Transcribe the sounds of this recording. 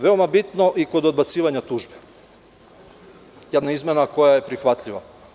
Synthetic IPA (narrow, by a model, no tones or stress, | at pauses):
ʋe̞o̞mabit̪no̞ʔiko̞d̪od̪̚bat̪siːʋaɲat̪uːʒbe | jed̪naizmʲenako̞jaje̞pɾixʋat̪ʎiʋa